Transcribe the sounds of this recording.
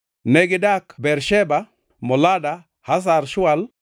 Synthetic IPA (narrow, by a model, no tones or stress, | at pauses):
nɛɡɪdakbɛɾʃɛba | mɔlada | has̬aɾʃʊal